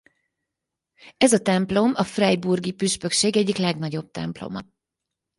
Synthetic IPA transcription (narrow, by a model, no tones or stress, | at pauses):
ɛzɒt̪ɛmplo̞mɒfrɛjburɡipyʃpø̞kʃeːɡɛɟːiklɛɡnɒɟo̞b̚t̪ɛ̰mplo̰mɒ